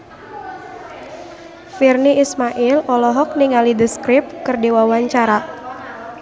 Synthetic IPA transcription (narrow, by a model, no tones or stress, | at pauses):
firniːsmaʔɪlɔlɔɦɔk̚niŋalidəskɾɪp̚kɨrdewawaɲt͡ʃaɾa